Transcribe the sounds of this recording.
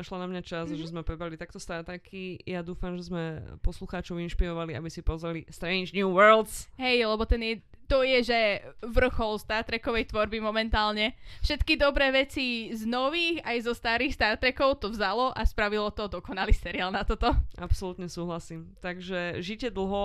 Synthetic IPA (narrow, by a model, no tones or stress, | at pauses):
naʃlanamɲat͡ʃazʒɛzmɛpɾɛbɾalit̪ak̚t̪ɔst̪aɾt̪ɾɛkʰijad̪uːfamʒɛzmɛpɔsluxaːt͡ʃɔʊinʃpiɾɔʋalia̰bisipɔzɾalist̪ɾɛɲd͡ʒnjuːʋɛɾld̪sɦɛjlɛbɔt̪ɛnjɛ | t̪ɔjɛʒɛʋr̩xɔlst̪aɾt̪ɾɛkɔʋɛjt̪ʋɔɾbimɔmɛnt̪aːlɲɛfʃɛt̪kid̪ɔbɾɛːʋɛt͡siznɔʋiːxajzɔst̪aːɾiːxst̪aɾt̪ɾɛkɔʊt̪ɔvzalɔʔaspɾaʋilɔt̪ɔd̪ɔkɔnalisɛɾiaːlˠnat̪ɔt̪ɔapsɔlut̪ɲɛsuːɦlasiːmt̪aɡʒɛʒicɛd̪l̩ˠɦɔ